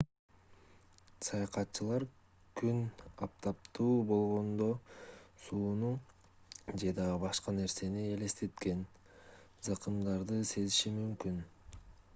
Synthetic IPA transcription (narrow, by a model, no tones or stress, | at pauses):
sɑjɑqɑt̪ːt͡ʃɯlˠɑɾ | kynɑp̚t̪ʰɑp̚t̪uːbo̞lˠʁo̞nd̪o̞suːnu | d͡ʒe̞d̪ɑbɑʃqɑne̞ɾse̞nie̞le̞st̪e̞t̪ke̞n | zɑqɯmd̪ɑɾd̪ɯse̞ziʃimymkyn